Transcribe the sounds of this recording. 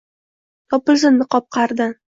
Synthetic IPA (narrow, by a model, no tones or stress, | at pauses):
t̪ʰɒpɪlzɪnnɪqɒp̚qʰɑɾd̪ɪ